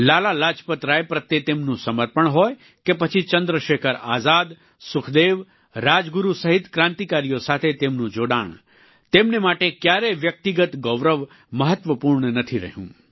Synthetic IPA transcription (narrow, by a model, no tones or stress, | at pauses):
lalalad͡ʒpət̪ɾaepɾət̪ːet̪emnũsəməɾpəɳɦoj | kepət͡ʃʰit͡ʃənd̪ɾəʃekʰəɾa̰zad̪ | sʊkʰd̪eʋ | ɾad͡ʒɡuɾusəɦit̪kɾãnt̪ikaɾijosat̪ʰet̪emnũd͡ʒoɽa̰ɳ̃ | t̪emnemaʈekjaɾeʋjək̚t̪iɡət̪ɡɔʋɾəʋ | məɦət̪ʋəpuɾɳənət̪ʰiɾə̰ɦjṵ̃